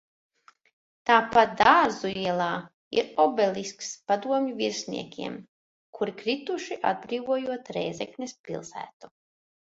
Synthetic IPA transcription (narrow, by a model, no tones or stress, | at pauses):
t̪aːpat̪̚d̪aːɾzuiɛlˠaː | ḭɾɔbɛlʲiskspad̪uɔmʲɲuviɾsʲnḭɛkʲḭɛm | kʰuɾikɾit̪uʃiʔa̰d̪̚bɾiːvuɔjuɔt̪ɾɛ̰jzɛknʲɛspʲḭlˠsæ̰ːt̪u̥